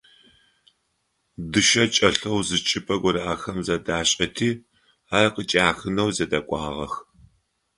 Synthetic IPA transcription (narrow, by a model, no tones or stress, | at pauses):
dɨʃɐt͡ʃʼɐɬɐwzɨt͡ʃʰʼɪpʰɐɡʷɔɾɐʔaːxɐmzɐdaːɕʼɐtʰiː | arqət͡ʃʼaːxɨnɐwzɐdɐkʷʼɑ̰ːʁɐ̰x